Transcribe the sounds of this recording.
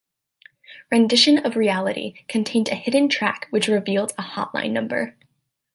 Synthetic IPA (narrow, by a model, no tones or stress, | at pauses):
ɹɨ̃ndɪʃɨ̃nʌvɹiælˠəɾʔḭkʰɨ̃ntʰẽɪ̃ndɨhɪdⁿn̩tʰɹ̥ækwɨt͡ʃɹɨvilˠzəhɑ̰ʔˡlã̰ɪ̃nːʌ̃mbə̰˞